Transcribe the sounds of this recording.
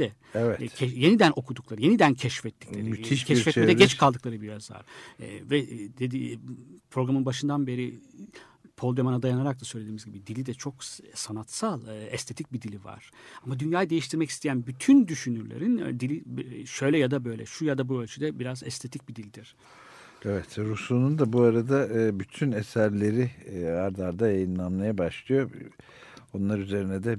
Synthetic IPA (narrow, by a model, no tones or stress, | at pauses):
d̪ɛ | ɛvɛcʰɛjenid̪ænʔo̞kʰud̪uklˠaɾɯje̞nid̪æncʰɛʃfɛt̪ʰːi̥clʲeɾiiʃcʰɛʃfɛt̪meɛd̪ɛɟɛt͡ʃkʰalˠd̪ɯklˠaɾɯbiɾaza̰ɾ̥ɛ̰vɛd̪ed̪ipʰɾo̞ɡɾamɯnbaʃɯnd̪anbe̞ɾi | pʰo̞lˠd̪ømanad̪ajanaɾak̚t̪asø̞jlʲed̪iːmizɟibid̪ilʲid̪ɛt͡ʃʰo̞ksanat̪salˠɯɛst̪ʰe̞t̪ʰic̚bid̪ilʲiva̰ɾ̥amad̪ynjaːjad̪ejiʃt̪ʰiɾmɛci̥st̪ʰejænbyt̪ʰynd̪yʃynyɾlʲḛɾind̪ilʲiʃø̞jlʲɛjad̪abø̞jlʲɛ̰ʃujad̪abuø̞lʲt͡ʃʰyd̪ɛbiɾazɛ̰st̪ʰet̪ʰic̚bid̪ilʲid̪iɾ̥ | evɛt̪ɾusˠunund̪abuaɾad̪abyt̪ʰynesæɾlʲe̞ɾiaɾd̪aɾd̪ajajɯnlˠamlˠajabaʃlˠɯjo̞ | o̞nlˠaɾyze̞ɾinɛd̪ɛ